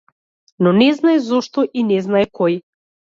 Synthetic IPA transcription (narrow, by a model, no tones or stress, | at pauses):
nɔnɛznajzɔʃt̪ɔʔinɛznajkɔj